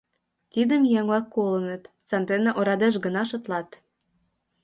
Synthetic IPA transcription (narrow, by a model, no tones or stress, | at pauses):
t̪id̪əmjɛŋlɑkːolənət̪ | t͡sɑnt̪enɑʔoɾɑd̪eʃ̬ɡə̆nɑʃŏt̪lɑt̪